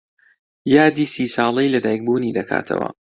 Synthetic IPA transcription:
jaːd̪iːsiːsɑːlˠɐjlɐd̪aːjk̚buːniːd̪ɐkʰa̰ːt̪ʰɐ̰wɐ̰

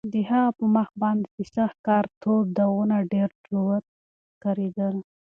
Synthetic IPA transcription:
d̪əɦaɣapəmaxbɑnd̪ed̪əsax̚kɑɾt̪ʰob̚d̪awunaɖeɾdɾuwat̪̚ | kaɾed̪əl

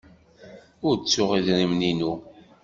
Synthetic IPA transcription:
ʊɾt͡sːʊʁiðɾimninu

